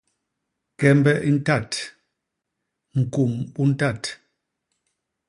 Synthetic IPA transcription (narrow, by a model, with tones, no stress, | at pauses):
kɛ˨mbɛ˦ʔi˦n̩˦ta˦˨t | ŋ̩˨ku˨mbu˦n̩˦ta˦˨t